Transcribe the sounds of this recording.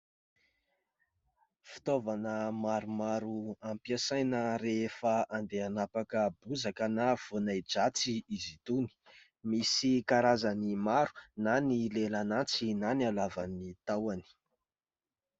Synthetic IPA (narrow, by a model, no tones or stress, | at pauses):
fi̥t̪ovanəmaɾumaɾuampiasajnəɾefaand̪eanapakəbuzakənav̥onajd͡ʒat͡siizit̪uni̥ | misikaɾazanimaɾu̥nanilelanat͡sinanalavanit̪awani̥